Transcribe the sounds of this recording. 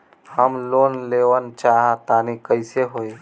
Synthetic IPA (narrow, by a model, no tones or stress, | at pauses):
həmloːnleʋənt͡ʃaɦat̪anikəɪseɦoj